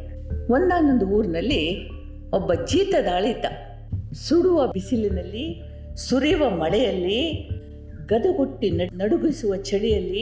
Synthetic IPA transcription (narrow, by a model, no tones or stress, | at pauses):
ond̪aːnond̪uuːɾinɐlːi | ɔbːɐd͡ʒiːt̪ɐd̪aːɭit̪ɐ | suɽuʋɐbisilinɐlːi | suɾiːʋɐmɐɭɛjɐlːi | ɡɐd̪uɡoʈːinɐnɐɽuɡisuʋɐt͡ʃɐɽijɐlːi